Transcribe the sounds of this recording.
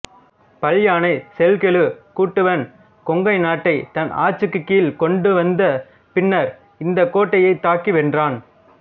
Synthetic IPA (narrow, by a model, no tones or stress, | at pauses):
pɐljaːnɐɪsɛlkɛɭɯkuːʈːɯʋɐn | kɔŋɡɐɪnaːʈːɐɪt̪ɐnʔa̰ːt͡ʃːɯkːɯkːiːlkɔɳɖɯʋɐnd̪ɐ | pɪnːɐɾ | ɪnd̪ɐkːoːʈːɐjɐɪt̪ːaːkiʋɛndraːn